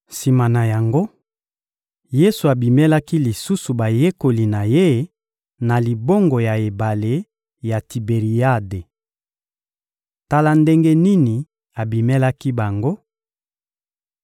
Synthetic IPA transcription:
si˨ma˨na˨ja˨ŋɡo˦ | je˦su˨a˨bi˨me˦la˦ki˦li˨su˦su˨ba˨je˦ko˨li˨na˨je˦ | na˨li˨bo˦ŋɡo˨ja˨e˨ba˨le˨ | ja˨ti˨be˨ʁi˨a˦de˨ | ta˦la˦nde˦ŋɡe˦ni˦ni˨ | a˨bi˨me˦la˦ki˦ba˨ŋɡo˦

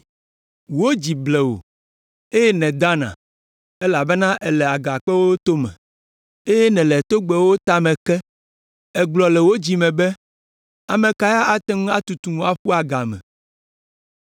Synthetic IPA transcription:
wo˦d͡ʑi˨blɛ˨wo̰˨ | e˦jɛ˦nɛ̃˨d̪a˦nã̰˨ | ɛ˦la˨bɛ˦nã˦ʔɛ˨lɛ˨a˨ɡa˨k͡pɛ˦wo˦t̪o˦mɛ̰̃˨ | e˦jɛ˦nɛ̃˨lɛ˨t̪o˦ɡ͡bɛ˨wo˦t̪a˦mɛ̃˨kɛ˦ | ɛ˨ɡ͡blɔ˨lɛ˨wo˦d͡ʑi˨mɛ̃˨bɛ˦ | a˨mɛ̃˨ka˨˦ja˦ʔa˨t̪ɛ˦ŋũ˦a˦t̪u˨t̪u˨nũ˦a˨ɸu˦a˨ɡa˨mɛ̰̃˨

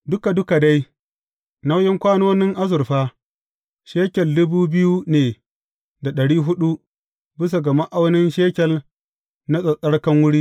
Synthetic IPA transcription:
dʊ˦ka˨dʊ˦ka˨da˦j | na˦wjɪ˦ŋkʷaː˦noː˦nɪ˦ŋʔa˦zʊ˨rɸaː˦ | ʃeː˦kʲɛ˨lːʊ˦buː˦bɪ˦ju˦neː˨ | da˨ɗɐ˨ɽiː˦ɦʊ˦ɗu˦ | bɪ˦s̬a˨ɡɐ˨ma˦ʔa˦wnɪ˦nʃeː˦kʲɛ˨l | na˦sʼɐ˨sʼɐ˦ɽkɐ˦ŋwʊ˦ɽiː˦

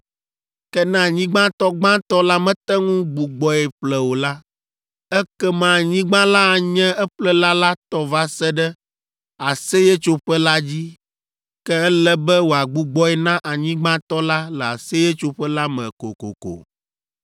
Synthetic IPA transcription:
kɛ˦nã˦˨ɲĩ˦ɡ͡bã˦t̪ɔ˦ɡ͡bã˦t̪ɔ˦la˦mɛ̃˦t̪ɛ˦ŋũ˦ɡ͡bu˨ɡ͡bɔ˨ɛ˨ɸlɛ˨wo˨la˦ | ɛ˦kɛ˦mã˨ɲĩ˦ɡ͡bã˦la˦a˨ɲɛ̃˦ɛ˦ɸlɛ˦la˦la˦t̪ɔ˦va˦sɛ˦ɖɛ˦ | a˨sɛ˦jɛ˦t͡ʃo˦ɸɛ˦la˦d͡ʑi˦ | kɛ˦ɛ˦lɛ˦bɛ˦wo˨a˨ɡ͡bu˨ɡ͡bɔ˦ɛ˨nã˦ʔa˨ɲĩ˦ɡ͡bã˦t̪ɔ˦la˦lɛ˨a˨sɛ˦jɛ˦t͡ʃo˦ɸɛ˦la˦mɛ̰̃˨ko̰˨ko̰˨ko̰˨

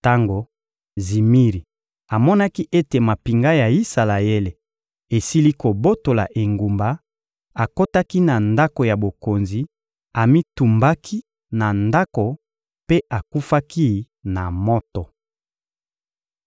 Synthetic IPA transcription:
ta˦ŋɡo˨ | zi˨mi˦ʁi˨ | a˨mɔ˦na˦ki˦ʔe˦te˨ma˨pi˨ŋɡa˦ja˨i˦sa˨la˨je˦le˨ | e˨si˦li˦ko˨bo˦to˨la̰˨ʔe˨ŋɡu˨mba˦ | a˨ko˦ta˦ki˦na˨nda˦ko˨ja˨bo˨ko˨nzi˨ | a˨mi˦tu˨mba˦kʰi˦ | na˨nda˦ko˨ | pe˦ʔa˨ku˦fa˦ki˦ | na˨mɔ˦tɔ˨

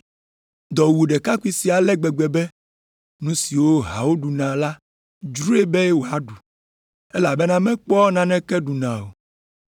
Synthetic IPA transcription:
d̪ɔ˨wu˨ɖɛ˨ka˦ku˦i˦si˨a˨lɛ˦ɡ͡bɛ˨ɡ͡bɛ˨bɛ˦ | nũ˦si˨wo˦ɦa̰˨wo˦ɖu˨nã˨la˦ | d͡ʒɾu˦e˦bɛ˦wo˨a˨ɖu˨ | ɛ˦la˨bɛ˦nã˦mɛ̃˦k͡pɔ˦nã˨nɛ̃˦kɛ˦ɖu˨nã˨wo˨

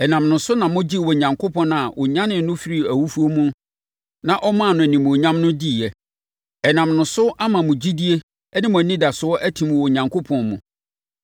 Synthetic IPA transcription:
ɛ˨nã˨mnʊ̃˨sʊ˦nã˨mʊ̃˦d͡ʑi˦˨wɔ˨ɲã˨ŋkʰo˦pʰɔ̃˦n˦a˨wʔɔ̰˨ɲã˦nɪ̃˨nʊ̃˦fi˦ɾi˦æ˨wu˦fu˦o˦mũ˦ | nã˨ʔɔ˦mã˦˨nʊ̃˨nĩ˨m̃˨o˨ɲã˦mnʊ̃˦di˦˨ɛ˨ | ɛ˨nã˨mnʊ̃˨sʊ˦ʔa˦mã˨mʊ̃˨d͡ʑi˦di˦e˦ | ɛ˦nɪ̃˦mʊ̃˨nĩ˦da˨sʊ˨ɔ˦ʔæ˦tʰĩ˨m̃˨wɔ˨ɲã˨ŋkʰo˦pʰɔ̃˨nmʊ̃˨

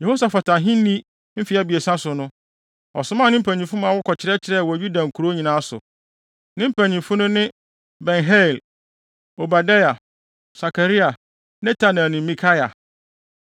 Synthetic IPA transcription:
je˨ho˦sa˨fa˨tʰã˨ɦĩ˦n˦nĩ˦ | m̩˦fi˨˦a˦bi˨e˨sã˦sʊ˨nʊ̃˦ | ɔ˨sʊ̃˨˦mã˦˨nɪ̃˦m̩˦pʰæ˨ɲĩ˨fʊ̃˦mãː˨wʊ˦kʰɔ˨t͡ɕʰɪ˨ɾɛ˦t͡ɕʰɪ˨ɾɛ˦˨wɔ˨ju˦dã˨ŋ̩˨kʰu˨ɾo˦ɲĩ˨nãː˦sʊ̰˨ | nɪ̃˦m̩˦pʰæ̃˨ɲĩ˨fʊ̃˦nʊ̃˦nɪ̃˦ | bɛ̃˨nɦɛ˦˨l | o˨ba˨da˦ja˨ | sa˨ka˨ɾi˦a˨ | nɛ̃˦tʰa˨nã˨nɪ̃˨˦mĩ˨kʰa˦ja˨

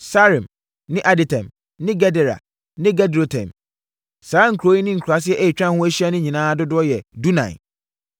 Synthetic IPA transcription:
sa˦ɾĩ˨m | nɪ̃˦ʔa˦dɪ˨tʰɛ̰̃˨m | nɪ̃˦ɡɛ˦dɛ˨ɾa̰˨ | nɪ̃˦ɡa˦do˨tʰɛ̰̃˨m | saː˨˦ŋ̩˨kʰɾo˨˦ĩ˦nɪ̃˦ŋ̩˨kʰɾa˨s̬ɪ˦ɛ˦ʔe˦i˨t͡ɕᶣã˦hʊ̃˦æ˦ɕi˦a˦nʊ̃˦ɲĩ˨nãː˦dʊ˦dʊ˦ɔ˦jɛ˨du˦nã̰˨ɪ̰˨

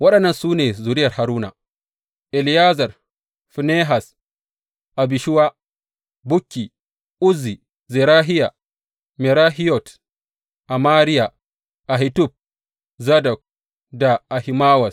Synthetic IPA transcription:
wɐ˦ɗɐ˨nːɐ˨nsuː˦neː˨zu˨ɾɪ˦jɐ˨rha˨ɾuː˦na̰˨ | ʔɛ˨lɪ˨ja˦zɐ˨r | fi˨ne˦ɦa˨s | ʔa˨bi˨ʃi˦wa˦ | bʊ˦kʲːi˨ | ʔʊ˦zːi˨ | zɛ˨ɾaː˦ɦɪ˦ja˨ | mɛ˨ɾa˦ɦi˦jɔ˨t | ʔa˨maː˦ɾi˦ja˨ | ʔa˨ɦi˨˦tu˦˨p̚ | za˦dɐ˨k̚ | da˨ʔa˨hi˨maː˦wɐ˨s

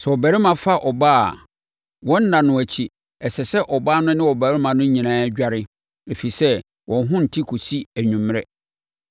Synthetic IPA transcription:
sɛ˨ɔ˨bæ˨ɾɪ˦mã˨fa˦ʔɔ˨ba̰˦˨ | wɔ̃˦n̩˦nã˨nʊ̃˨æ˨t͡ɕʰi˦ | ɛ˨sɛ˨sɛ˦ʔɔ˨baː˦nʊ̃˦nɪ̃˦wɔ˨bæ˨˦ɾɪ˦mã˨nʊ̃˦ɲĩ˨nãː˦æ˦d͡ʑᶣa˦ɾɪ˦ | æ˨fe˨i˨sɛ˦ | wʔɔ̃˨n˦ɦʊ̃˦n̩˨tʰi˦kʰo˨si˦æ˨ɲᶣũ˨m˦ɾɛ˦

